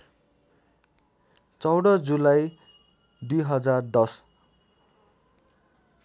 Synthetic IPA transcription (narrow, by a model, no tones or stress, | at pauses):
t͡sʌwɽʌd͡zulaj | d̪ujɦʌd͡zard̪ʌs